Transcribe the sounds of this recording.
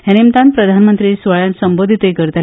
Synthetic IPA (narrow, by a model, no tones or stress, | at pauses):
ɦɛnemt̪anpɾəd̪ʱanmənt̪ɾiːsʋəɭjãnsəmbod̪ʱit̪jkəɾt̪a